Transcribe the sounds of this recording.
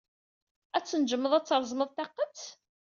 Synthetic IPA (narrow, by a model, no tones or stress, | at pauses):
æt͡sːənd͡ʒəmːəðˤæt͡sːəɾˤzˤməðˤt̪æqːət͡s